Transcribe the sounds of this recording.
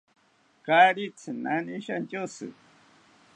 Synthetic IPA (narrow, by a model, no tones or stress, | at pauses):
kaɾit͡sʰɨnaniʃant͡ʃʲosɨ̰